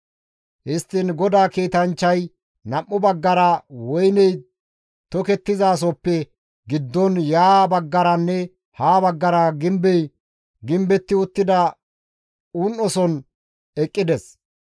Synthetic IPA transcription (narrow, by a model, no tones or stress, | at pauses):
ʔɪst̪ːɪnɡɔd̪aːkiːt̪ɐnt͡ʃːɐj | nɐmːʊbɐɡːɐɾɐwɔjnɛj | t̪ɔkɛt̪ːɪzaːs̬ɔpːɛ | ɡɪd̪ːɔnjaːbɐɡːɐɾɐnːɛ | haːbɐɡːɐɾɐɡɪmbɛj | ɡɪmbɛt̪ːɪʊt̪ːɪd̪ɐ | unːɔsɔn | ɛkʼːɪd̪ɛs